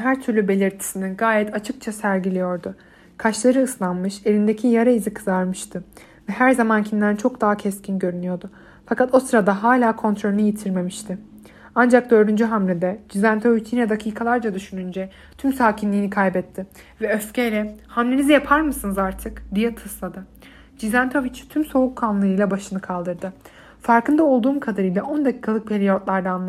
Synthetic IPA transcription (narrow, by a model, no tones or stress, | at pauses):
ɦæɾt̪ʰyɾlʲybe̞lʲiɾt̪ʰi̥siniɡaːjɛt̪ʰat͡ʃʰɯk̚t͡ʃʰasæɾɟilʲijo̞ɾd̪ʊ | kʰaʃlˠaɾɯːslˠanmɯʃe̞ɾind̪ecʰijaɾaizikʰɯzaɾmɯʃt̪ʰɯ | vɛɦæɾzamancʰimd̪ʲænt͡ʃʰo̞kd̪aɦacʰɛscʰinɟø̞ɾynyjo̞ɾd̪ʊ | fakat̪o̞sɯɾad̪aɦaːlʲaːkʰo̞nt̪ɾo̞lʲynɯjet̪ʰiɾme̞miʃt̪ʰɪ | and͡ʒak̚d̪øɾynd͡ʒyɦamlʲed̪ɛd͡ʒizænt̪ʰovit͡ʃʰjinʲɛd̪akʰiːkʰalˠaɾd͡ʒad̪yʃynynd͡ʒɛ | t̪ʰymsaːcʰinlʲiːnikʰajbɛt̪ʰːɪ | vɛøscejlʲɛhamlʲenizijapʰaɾmɯsɯnɯzaɾt̪ʰɯkd̪ijɛt̪ʰɯslˠad̪ɯ | d͡ʒizænt̪ʰovit͡ʃt̪ʰymso̞ukʰːanlˠɯɯjlˠabaʃɯnɯkʰalˠd̪ɯɾd̪ɯ | faɾkɯnd̪ao̞lˠd̪uːmkʰad̪aɾɯjlˠaʔo̞nd̪acʰi̥ːkʰalˠɯk̚pʰelʲijot̪lˠaɾd̪aːnlˠ